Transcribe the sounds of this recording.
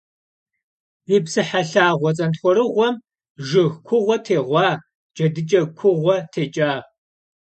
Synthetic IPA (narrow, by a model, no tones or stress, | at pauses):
jiːpsɨħaɬaːʁʷɔt͡sʼɐntχʷɔɾɨʁʷɔm | ʒɨxkʷʰʊʁʷɔtʰeːʁʷɑː | d͡ʒʼɐdɨt͡ʃʼɐkʷʰʊʁʷɔtʰeːt͡ʃʼaː